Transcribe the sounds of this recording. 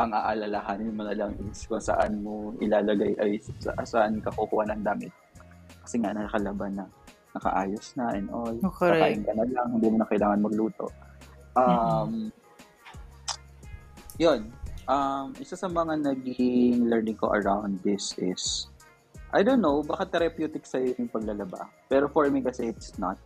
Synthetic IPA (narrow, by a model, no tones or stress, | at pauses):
ʔɐŋʔaːʔɐlɐlɐɦaːnɪnmonɐlɐŋʔɪskʊŋsɐ̰ʔa̰nmoʔɪ̰laːlɐɡajʔɐjsɐ̰ʔasaʔanɪkɐhuhʊwanɐŋd̪aːmɪt̪̚kɐ̥sɛŋaʔnɐɐkɐlɐbanɐ | nɐkɐ̰ʔaːjosnɐʔɛnʔolakaːʔɪŋkɐnɐlɐŋhɪnd̪iːmonɐkɐʔɪlaːŋɐnmɐɡ̚luːt̪o̞̰ʔɐm | jonʔɐmʔɪsasɐmɐŋanɐɡɪŋlɛɹnɪŋko̞̰ʔɐ̰ɹawnd̪ːɪsɪs | ʔa̰jd̪onːowbaːkɐt̪ːɛɾɐpjuːt̪ɪksɐjojʊŋpɐɡ̚lɐlɐba̰pɛːɾofoɹmikɐsɛʔɪt̪snɐt̪̚